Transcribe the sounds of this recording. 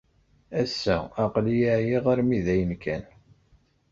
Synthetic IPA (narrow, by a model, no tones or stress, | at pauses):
æsːæ̰æqlijaʕjiʁaɾmiðæjənkʰæn